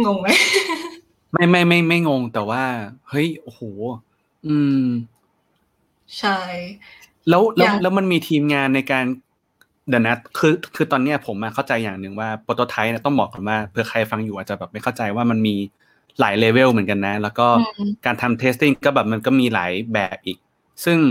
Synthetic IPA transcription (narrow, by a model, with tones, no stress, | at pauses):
ŋo˧ŋma˦˥j | ma˥˩jma˥˩jma˥˩jma˥˩jŋo˧ŋt̪ɛː˨˩waː˥˩hɤ˦˥˩jʔoː˧˩hoː˩˦ | ʔɯː˧m | t͡ɕʰa˥˩j | lɛː˦˥wlɛː˧˦˥wlɛ˦˥wma˧nmiː˧t̪ʰiː˧mŋaː˧nːa˧jkaː˧n | dɛ˨˦na˦˥kʰɯː˧kʰɯː˧t̪ɔː˧nːi˦˥ɐpʰo˩˦mːa˧kʰa˥˩wt͡ɕa˧jːaː˨˩ŋnɯ˨˩ŋwaː˥˩poː˧t̪o˧t̪ʰa˦˥jni˥˩ɐt̪ɔ˥˩ŋbɔː˨˩k̚ːa˨nwaː˥˩pʰɯ˧ɐkʰa˧jfa˧ŋjuː˨˩ʔa˨˩t͡ɕa˨˩bɛː˨˩ma˥jkʰwt͡ɕa˧jwaː˥˩ma˧nmiː˧ | la̰ː˩˦jleː˧we˥˩wmɯ˩˦nka˧nːa˦˥lɛː˦˥wkɔː˥˩kaː˧nt̪ʰa˧mt̪ʰeː˦˥st̪i˥˩ŋkɔː˥˩bɛː˨˩p̚ma˧nkɔː˥˩miː˧la̰ː˩˦jbɛ̰ː˨˩p̚ʔiː˨˩k̚ | sɯ˥˩ŋ